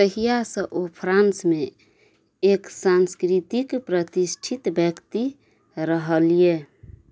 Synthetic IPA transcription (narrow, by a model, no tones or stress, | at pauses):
səɦijasə̃ʔopʰɾansme | eksanskɾit̪ikpɾət̪isʈʰit̪bjəkt̪i | ɾəɦəlie